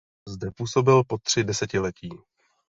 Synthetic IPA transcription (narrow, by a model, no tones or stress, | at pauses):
zdɛpuːso̞bɪlpo̞t̪r̝̥ɪdɛsɛcɪlɛciː